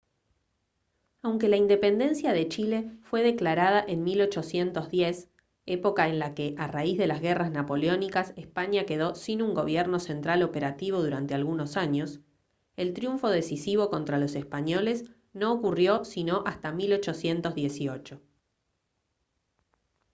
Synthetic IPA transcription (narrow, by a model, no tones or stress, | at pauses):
awŋke̞laind̪e̞pe̞nd̪e̞nsjaðe̞t͡ʃile̞fwe̞ð̞e̞klaɾað̞aʔenmilo̞t͡ʃo̞sje̞nt̪o̞zðjes | epo̞kaenlake̞ʔaraizðe̞lazɣeraznapo̞leo̞nikasespaɲake̞ð̞o̞sinuŋɡo̞βjeɾno̞se̞nt̪ɾalo̞pe̞ɾat̪iβ̞o̞ðuɾant̪ealɣuno̞saɲo̞s | e̞lt̪ɾjuɱfo̞ð̞e̞sisiβo̞ko̞nt̪ɾalo̞sespaɲo̞le̞s | no̞ːkurjo̞sino̞ʔast̪amilo̞t͡ʃo̞sje̞nt̪o̞zðje̞sio̞t͡ʃo̞